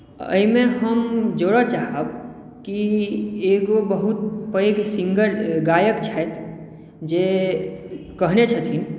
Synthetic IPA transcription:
ə̰imẽɦəmd͡ʒoɽət͡ʃaɦəb | kieɡobəɦut̪̚pəjɡsiŋɡəɾɡajəkt͡ʃʰət̪ʰ | d͡ʒe | kəɦnet͡ʃʰət̪ʰin

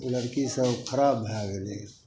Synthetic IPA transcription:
ləɾkisəbkʰəɾaːbʱaːɡleː

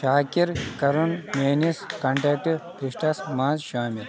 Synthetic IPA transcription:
ʃaːkiɾkɐɾunmeːniskɐɳʈeːk̚ʈɨp̪ɾiʂʈɐsmãːnzʃaːmiɾ

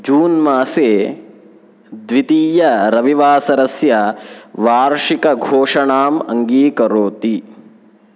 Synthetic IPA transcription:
d͡ʒuːnmaːseː | d̪ʋit̪iːjɐɾɐʋiʋaːsɐɾɐsjɐʋaːɾʂikɐɡʱoːʂɐɳaːmɐŋɡiːkɐɾoːt̪i

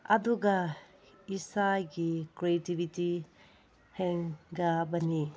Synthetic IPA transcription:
ɐ̰duɡɐ | isajɡikɾietibʱiti | heŋɡabɐni

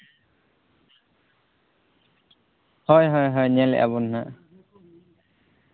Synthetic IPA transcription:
hɔjɦɔjɦɔjnɛlɛ̰ʔa̰bɔnnaʔ

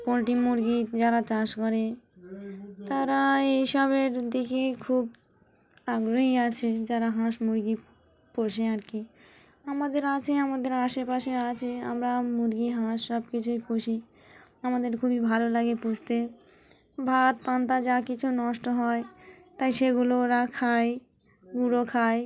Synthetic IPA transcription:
ponʈimuɾɡid͡ʑaɾat͡ɕaʃkoɾe | t̪aɾaejʃɔβeɾd̪ikekʰub | aɡɾoɦiat͡ɕʰed͡ʑaɾaɦãʃmuɾɡi | poɾʃeaɾki | amad̪eɾat͡ɕʰeamad̪eɾaʃepaʃeat͡ɕʰea̰mɾamuɾɡiɦãʃːɔb̚kit͡ɕʰupoʃi | amad̪eɾkʰubibʱalolaɡepud͡ʑʰt̪e | bʱat̪̚pant̪ad͡ʑakit͡ɕʰunɔʃʈoɦɔe | t̪ajʃeɡuloɾakʰaj | ɡuɽokʰaj

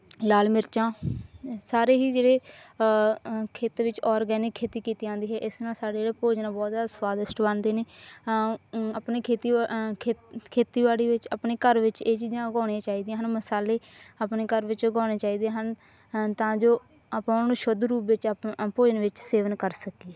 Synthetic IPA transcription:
laːlmɪɾt͡ʃãː | saːɾeːɦiːd͡ʒeːɽeː | kʰeːt̪ːʋɪt͡ʃɔːɾɡɛːnɪkʰːeːt̪iːkiːt̪iːãːnd̪iːɦɛːʔɪsnaːlsaːɽeːd͡ʒeːɽeːpoːd͡ʒnãːbɔːt̪jaːd̪aswaːd̪əsʈbənd̪eːneː | aːpneːkʰeːt̪i | kʰeːt̪iːʋaːɽiːʋɪt͡ʃəpneːkəɾʋɪt͡ʃeːt͡ʃiːd͡ʒãːəɡɔːɽiãːt͡ʃaːiːd̪ɪjãɦənməsaːleːapneːkəɾʋɪt͡ʃɡɔ̃ːñeːt͡ʃaːiːd̪ẽːɦən | t̪ãːd͡ʒoː | əpãːʊnanũːʃʊd̪ɾuːpʋɪt͡ʃpoːd͡ʒənʋɪt͡ʃseːʋənkəɾsəkiːɛ

